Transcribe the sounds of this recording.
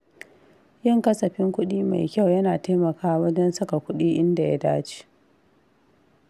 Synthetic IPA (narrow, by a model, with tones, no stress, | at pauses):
jɪ˦˨ŋkɐ˦sɐ˨ɸɪ˦ŋkʷʊ˦ɗiː˦ma̰˨jkʲa˦˨wjɐ˦naː˨taː˦mɐ˨kaː˦wɐ˦d͡ʒɛ˦nsɐ˦ka˨kʷʊ˦ɗiː˦ʔɪ˦nda˨ja˦daː˦t͡ʃi̥˦